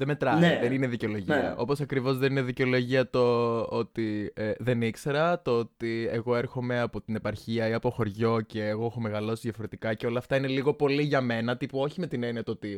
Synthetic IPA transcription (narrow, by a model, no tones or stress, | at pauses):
ðeme̞t̪ɾɐnðenineðiceolo̞ʝiɐ̰ʔo̞po̞sɐkɾivo̞zðe̞nineðiceo̞lo̞ʝiɐt̪oot̪ieðe̞nikse̞ɾɐt̪oot̪ieɣo̞e̞ɾxo̞me̞ɐpo̞t̪ine̞pɐɾçiɐiɐpo̞xo̞ɾʝo̞ce̞ːɣo̞exo̞meɣɐlo̞siðjɐfo̞ɾe̞t̪ikɐceo̞lɐːft̪ɐine̞liɣo̞po̞liʝɐme̞nɐt̪ipuo̞çime̞t̪ine̞niɐt̪oot̪i